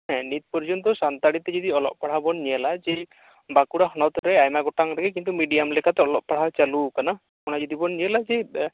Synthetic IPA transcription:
ɦɛ̃nit̪̚pɔɾd͡ʒɔnt̪̬ɔsant̪aɽit̪ɛd͡ʒɔd̪iɔlɔ̰ʔ̚paɽ̤abɔnːiɛlad͡ʒɛ | bakuɽahɔnawt̪ɾɛajmaɡɔʈaŋɾɛkʰɛkint̪umiɖijamlɛkʰat̪ɛɔlɔʔ̚paɽ̤awt͡ʃalukana | kɔnad͡ʒɔd̪ibɔnːiɛlad͡ʒɛ

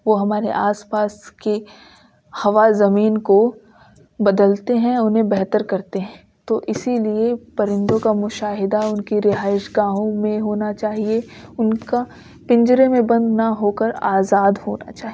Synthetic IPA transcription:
ʋoɦɐmaːɾḛʔaːspaːske | hɐʋazɐmiːnko | bɐd̪əlt̪eɦɛ̃ʊnɦẽbɛɦt̪əɾkɐɾt̪eɦɛ̃ | t̪oʔɪsiliepɐɾɪ̃nd̪õkamʊʃaːɦɪd̪aʊnkiɾɪɦaːɪʃɡãːɦõmẽɦoːnat͡ʃaːɦieʊnka | pɪ̃ɲd͡ʒɾemẽbɐ̃nd̪naɦoːkəɾaːzaːd̪ho̰ːna̰t͡ʃaːɦi

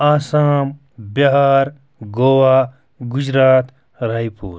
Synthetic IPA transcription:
aːsaːm | bɐɦaːɾ | ɡoːwaː | ɡud͡ʒɾaːt̪ | ɾaipṵːɾ

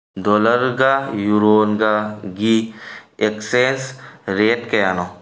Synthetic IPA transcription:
d̪oːləɾɡajuɾoːnɡaɡiekseːnsɾeːʈkejaːno

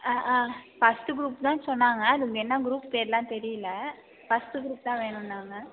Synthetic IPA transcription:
aːʔaːfɐsʈɯɡɾuːpt̪ãːsɔnːaːŋɡɐɐðʊŋɡɐɛnːɐɡɾuːppeːɾlːãːt̪ɛɾɪjɪlːɐ | fɐsʈɯɡɾuːp̚t̪ãːʋeːɳʊnːaːŋɡɐ

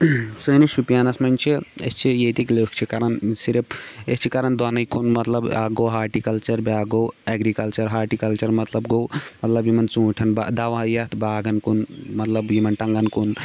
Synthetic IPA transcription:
sɨːnɨʃupjanɐsmɐnʲt͡ʃʰiest͡ʃʰijet̪ikləːkt͡ʃʰikɐɾɐnsiɾɐpest͡ʃʰikɐɾɐnd̪ɐnɐjkonmɐt̪lɐba̰ɡoɦaːɾʈikɐlt͡ʃɐɾbjaːɡowɛɡɾikɐlt͡ʃɐɾɦaːɾʈikɐlt͡ʃɐɾmɐt̪lɐbɡowmɐt̪lɐbjimɐnt͡sũːʈʰɐnbad̪aʋajɐt̪ʰbaːɡɐnkunmɐt̪lɐbjimɐnʈɐŋɡɐnkun

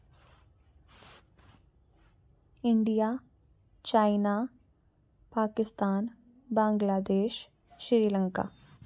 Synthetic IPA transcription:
ɪɳɖijaː | t͡ʃaːɪna | paːkɪst̪aːn | bãːŋɡlaːd̪eːʃ | ʃɾɪɾiːləŋka̰ː

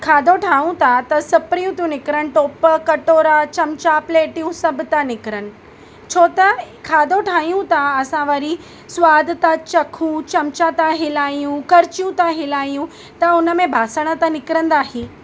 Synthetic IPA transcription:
kʰaːd̪ʱoʈʰaːɦũt̪ʰat̪ɐsɐpɾijũt̪ijũnɪkɪɾəɽ̃ɪ̆ʈoːpəkɐʈoːɾat͡ɕɐmt͡ɕapleːʈijũsɐbʱʊt̪anɪkɪɾənɪ̆ | t͡ɕʰoːt̪a | kʰaːd̪ʱoʈʰaːɦijũt̪ʰaɐsãʋɐɾi | sʊwaːd̪ʱt̪at͡ɕɐkʰũt͡ɕɐmt͡ɕat̪aɦɪlaːijũkɐɾɪt͡ɕijũt̪ʰaɦɪlaːijũ | t̪ɐʊnə̆mẽbʱaːsəɽ̃ə̆t̪anɪkɪɾə̃nd̪aːɦiː

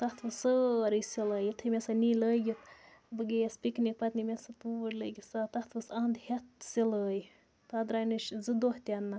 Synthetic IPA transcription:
t̪ɐt̪ʰʋɨsəɾɨsiləːjit̪ʰɨmʲesaniləjʲit̪bɨɡejespiknik̚pɐt̪nimʲesat̪uɾləːɡisat̪ɐt̪ʰʋɨsɐːnd̪het̪siləːj | t̪ad̪ɾaːjnɨʃzɨd̪oht̪ʲanːa

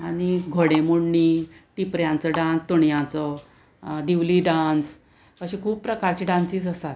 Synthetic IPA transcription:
aɽ̃iɡʱoɽẽmuɽɳiːʈipɾjãnt͡səɖãnst̪oɳjãt͡sə | d̪iʋliɖãnt͡s | kəɕĩkʰuːpːɾəkaɾt͡ɕiːɖãnsiːt͡səst̪at̪

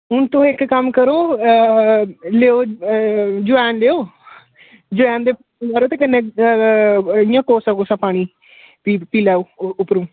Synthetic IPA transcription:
ɦʊnt̪õːɪkkəmkəɾoː | leːoː | d͡ʒʊʋɛːnleːoː | d͡ʒʊʋɛ̃ːnd̪eːpː | naːɾoːt̪eːkənːẽ | ɪjãːkoːsãkoːsãːpaːɽ̃iː | piːpiːlɛːoːʊpɾũː

